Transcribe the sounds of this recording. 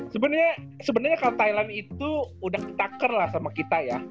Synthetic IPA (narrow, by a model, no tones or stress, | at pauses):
səbənərɲasəbənərɲakalot̪ailanit̪uudahki̥t̪akərlahsamakit̪aja